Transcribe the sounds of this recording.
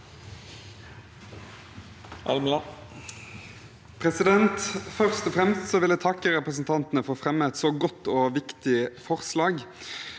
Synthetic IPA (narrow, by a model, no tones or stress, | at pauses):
ʔɑ̰lmlɑ | pʰʁɛsɪd̪ɛnt̪fœʁst̪ɔfʁɛmst̪sɔːʋɪlæɪt̪ʰɑkːəʁɛpʁəs̬n̩t̪ʰɑnt̪nəfɔʁfʁɛməɛt̪soːɡɔt̪ːoːʋɪkt̪ɪfɔʁslɑːɡ